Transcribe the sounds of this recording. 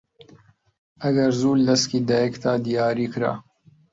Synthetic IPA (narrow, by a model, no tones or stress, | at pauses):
ɐɡɐɾzuːlːɐskiːd̪ajekt̪ʰaːd̪ijɑːɾiːkɾa̰